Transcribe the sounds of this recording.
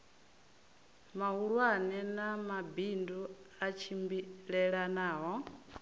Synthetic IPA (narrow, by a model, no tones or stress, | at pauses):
maɦuɺwanɛnamabinduat͡ʃʰimbiɺɛɺanaːɦɔ